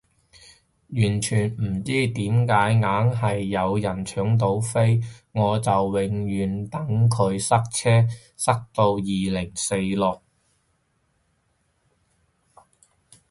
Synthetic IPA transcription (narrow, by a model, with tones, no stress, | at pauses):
jyː˨˩nt͡ʃʰyː˨˩nmm̩˨˩t͡siː˥t̪iː˨˥mkaː˨˥jŋaː˨˥nɦɐ˨jːɐ˨˧wjɐ˨˩nt͡ʃʰœː˨˥ŋt̪̬o˨˥wfe˥jŋɔː˨˧t͡sɐ˨wwɪ˨˧ŋjyː˨˧nt̪ɐ˨˥ŋkʰɵ˨˧ɥsɐ˥k̚t͡sʰɛː˥ | sɐ˥k̚t̪o˧wjiː˨lɪ˨˩ŋse˧jlʊ˨k̚